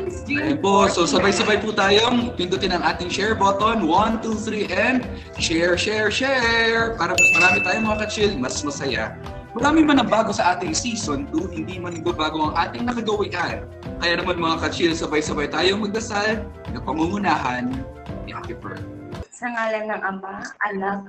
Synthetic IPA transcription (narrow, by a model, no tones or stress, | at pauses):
ɐjopososɐbajsɐbajput̪aːjoŋpɪnt̪ʊt̪ɪnɐŋʔaːt̪ɪŋʃɛɹbot̪onwɐnt̪uθɾiːʔɛnd̪ | ʃɛɹʃɛɹʃɛɹpaːɾɐmɐsmɐɾaːmɪt̪aːjoŋmɐŋakɐt͡ʃɪlmɐsmɐsɐja̰ | mɐɾaːmɪmɐnɐŋbaːɡo̞sɐʔaːt̪ɪŋsiːsont̪ʊŋhɪnd̪iːmɐnɪɡɐbaːɡoʔɐŋʔaːt̪ɪŋnɐkɐɡɐwiʔɐn | kɐjaːnɐmanmɐŋakɐt͡ʃɪlsɐbajsɐbajt̪aːjoŋmɐɡ̚d̪ɐsal | nɐpɐŋuŋʊnaːɦɐn | ɐ̰k̪ɪpɛ̰ɹ | sɐŋaːlɐnɐŋʔɐmaʔɐnak̚